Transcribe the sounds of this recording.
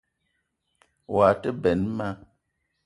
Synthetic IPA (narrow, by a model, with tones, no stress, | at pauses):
wa˨tə˦bɛ˨nma˦